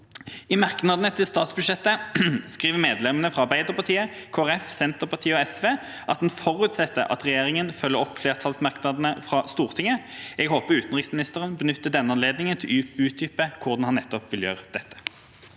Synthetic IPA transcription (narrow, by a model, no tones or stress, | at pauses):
ɪmɑʁknɑd̪n̩ət̪ʰɪlst̪ɑːt̪sbʉd̪ʂɛt̪ːəskʁiːʋəmeːd̪lɛmənəfʁɑɑbæɪd̪əʁpɑʁt̪ʰiːəkʰoːæʁɛfsɛnt̪əʁpɑʁt̪ʰiːəɔɛsʋeː | ʔɑt̪̚d̪nfɔʁʉːt̪sɛt̪ːə̰ʔɑ̰t̪ʁɛjeːʁɪŋənfœlːəʁɔpːfleːʁt̪ʰɑlsmɑʁknɑd̪nəfʁɑst̪uːʁt̪ʰɪŋəɛɡhoːpəʁʉːt̪ənʁɪksmɪnɪst̪əʁənbənʏt̪ːəd̪ɛnːəɑnleːd̪nɪŋənt̪ʰɪlʉːt̪̚d̪ʏpəkʰʊd̪ɑnhɑnːɛt̪ːɔpʋɪljø̰ːʁəd̪̥ɛt̪ːə̥